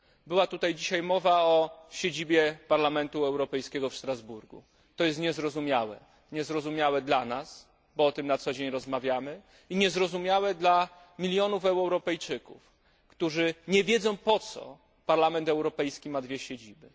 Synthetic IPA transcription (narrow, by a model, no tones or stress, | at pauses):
bɘwat̪ut̪ajd͡ʑiɕajmɔvaɔɕed͡ʑibʲjɛpaɾlamɛnt̪uɛwɾɔpɛjskʲɛɡɔfʂt̪ɾazbuɾɡṵ | t̪ɔjɛst̪ɲɛzɾɔzumʲjawɛ̰ | ɲɛzɾɔzumʲawɛd̪lanas | bɔɔt̪ɘmnat̪sɔd͡ʑeɲɾɔzmavʲjamɘ | iɲɛzɾɔzumʲjawɛd̪la | mʲilʲjɔnufɛwwɾɔpɛjt͡ʂɘkṵf | kt̪uʐɘɲɛvʲjɛd̪zɔ̃w̃pɔt̪sɔ̰ | paɾlamɛnt̪ɛwɾɔpɛjskʲimad̪vʲjɛɕed͡ʑibɘ